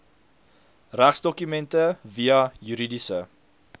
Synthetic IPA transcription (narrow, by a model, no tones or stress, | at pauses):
ræχsdɔkymɛntəviɐjyɾidisə